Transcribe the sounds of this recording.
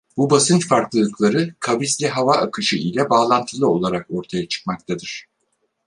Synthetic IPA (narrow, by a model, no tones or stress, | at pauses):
bubasɯnt͡ʃfaɾklˠɯlˠɯklˠaɾɯkʰavislʲɛɦavaʔakʰɯʃɯʔilʲɛbaːlˠant̪ʰɯlˠɯo̞lˠaɾako̞ɾt̪ʰajat͡ʃʰɯ̥k̚mak̚t̪ʰad̪ɯɾ̥